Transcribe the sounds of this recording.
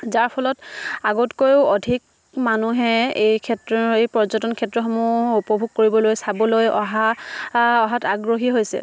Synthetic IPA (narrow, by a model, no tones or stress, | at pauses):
zaɹpʰɔlɔtaɡɔtkojʊodʱik̚ | manuɦɛejkʰɛtɹɔejpɹɔzɔtɔnkʰɛtɹɔxɔmuupɔbʱuɡ̚koɹibɔlojsabɔlojɔ̰ɦa | ɔɦataɡɹoɦiɦojsɛ̰